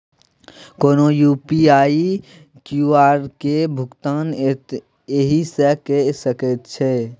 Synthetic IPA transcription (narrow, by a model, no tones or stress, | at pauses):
koːnojuːpiaːi | kjuaːɾkebʱʊɡt̪aːn | eɦisekesəket̪t͡ʃʰe